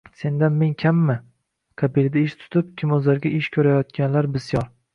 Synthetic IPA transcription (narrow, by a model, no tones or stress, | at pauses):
se̞nd̪anmeŋkʲʰamːɪ | kʰabild̪aɪʃt̪ʰʊ̥t̪ʰɪp̚kʲʰɪmɵzlaɾɡʲaʔɪʃkʲʰɵɾajɒt̪̚kʲanlaɾbɪsjɒɾ